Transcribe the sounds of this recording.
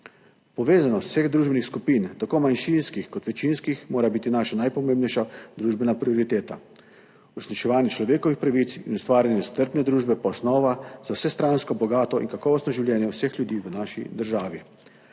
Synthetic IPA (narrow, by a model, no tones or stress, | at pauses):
pɔʋeːzanɔt̪ːseɣd̪ɾuːʒbɛnixskupint̪akoːmanʃinskixkɔt̪ʋɛt͡ʃinskixmoːɾabiːt̪inaːʃanajpɔmẽːmbnɛjʃad̪ɾuːʒbɛnapɾioɾit̪eːt̪a | uɾɛsnit͡ʃɛʋaːnjɛt͡ʃlɔʋeːkɔʋixpɾaʋit̪sinust̪ʋaːɾʲjanjɛst̪əɾpnɛd̪ɾuːʒbɛpaɔsnɔːʋazawsɛst̪ɾanskɔbɔɡaːt̪ɔḭnkakɔːʋɔst̪nɔʒiwlʲjɛːnjɛwsexljud̪iːʋənaːʃḭd̪əɾʒaːʋi